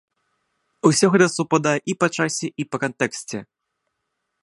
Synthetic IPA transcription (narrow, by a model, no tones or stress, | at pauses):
usʲɔɣɛt̪ɐsupad̪ajɛʔipɐt͡ʂasʲɛʔipɐkɐnt̪ɛksʲt͡sʲɛ